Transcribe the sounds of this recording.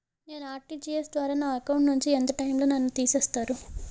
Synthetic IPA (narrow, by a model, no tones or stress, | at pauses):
ne̞ːnuaːɾʈiːd͡ʒiːesd̪ʋaːɾaːnaːɐkɐwɳʈnuɲt͡ʃient̪ɐʈɐjmlo̞ːnɐnːut̪iːseːst̪aːɾu